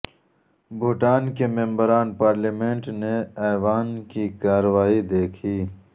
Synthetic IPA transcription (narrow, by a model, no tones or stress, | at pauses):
bʱuʈaːnkemembəɾaːnpaːɾlimeɳʈneaːʋaːnkikaːɾəwaːid̪eːkʰiː